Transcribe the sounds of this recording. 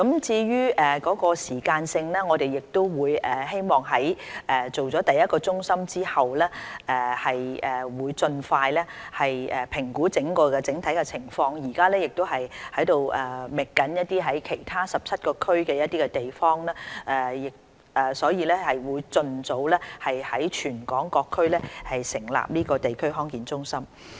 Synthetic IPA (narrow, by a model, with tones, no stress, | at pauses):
kɐ˨˥mt͡siː˧ɥyː˥ɛː˨kɔː˨˥kɔː˧siː˨˩kaː˧nsɪ˧ŋlɛː˥ŋɔː˨˧t̪e˨jɪ˨k̚t̪o˥wwuː˨˧jɛ˨ɦe˥jmɔː˨ŋɦɐ˨˥jʔɛ˨t͡so˨wt͡sɔː˨˥t̪ɐ˨jːɐ˥t̚kɔː˧t͡sʊ˥ŋsɐ˥mt͡siː˥hɐ˨wlɛː˥ʔɛː˨˩hɐ˨jɛː˨wuː˨˧jt͡sɵ˧nfaː˧jlɛ˥hɐ˨jɛ˨pʰɪ˨˩ŋkuː˨˥t͡sɪ˨˥ŋkɔː˧kɛ˧t͡sɪ˨˥ŋt̪ʰɐ˨˥jkɛ˧t͡sʰɪ˨˩ŋfɔː˧ŋjiː˨˩kaː˥lɛː˥jɪ˨k̚t̪o˥wɦɐ˨jhɐ˨˥jt̪o˨wʔɛː˨˩mɪ˨kːɐ˨˥njɐ˥t̚t̪iː˥ɦɐ˨˥jkʰe˨˩jt̪ʰaː˥sɐ˨p̚t͡sʰɐ˥t̚kɔː˧kʰɵ˥ɥkɛː˧jɐ˥t̚t̪iː˥kɛ˧t̪e˨jfɔː˥ŋlɛː˥ɛː˨˩jɪ˨k̚ | ɛː˨˩sɔː˨˥jiː˨˧lɛː˥hɐ˨jwuː˨˧jt͡sɵ˧nt͡so˨˧˥wlɛː˥hɐ˨jhɐ˨˥jt͡ʃʰyː˨˩nkɔː˨˥ŋkɔː˧kʰːɵ˥ɥlɛː˥hɐ˨jsɪ˨˩ŋla̰ː˨p̚niː˥kɔː˧t̪e˨jkʰɵ˥ɥɦɔː˥ŋkiː˨˥nt͡sʊ˥ŋsɐ˥m